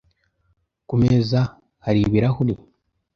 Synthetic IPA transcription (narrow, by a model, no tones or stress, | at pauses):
kumeza | haɾiβiɾahuli